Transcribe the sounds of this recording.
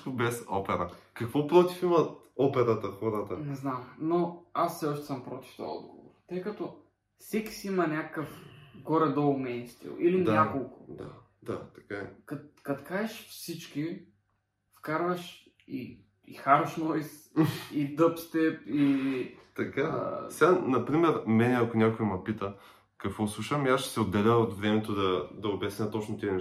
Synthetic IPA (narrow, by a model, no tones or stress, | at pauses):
k̪obɛsɔ̰pɛɾɐkɐkvɔpɾˠɔt̪ifimɐt̪ | ɔpɛɾət̪əxɔɾət̪ənɛznamnoasːɛɔʃt̪ɛ̥səmpɾot̪i̥ft̪ɔ̰jɛɔ̰d̪̚ɡovo̰ɾt̪ɤjkɐt̪o | fsɛkʲi̥siimɐnʲakə̥kəfɡɔɾɛd̪oɡmɛjnst̪ḭlˠilimnʲakolˠkʊ̥d̪a̰ | d̪a̰t̪ɐ̥kakɐkɐt̪kaɛʃfsit͡ʃk̟i | fkaɾvɐʃ | i | ḭxaɾoʃnɔjs | id̪ɤpst̪ɛpit̪ɐkasɛanɐpɾimɛɾmɛnɛɐkʊnʲakoimɐpit̪ə | kɐkvɔslˠuʃɐmiasʃɛ̥sɛod̪ːɛlʲəot̪vɾɛmɛt̪od̪ɐd̪ɐobʲɛsnʲət̪ot͡ʃnot̪iɛnɛ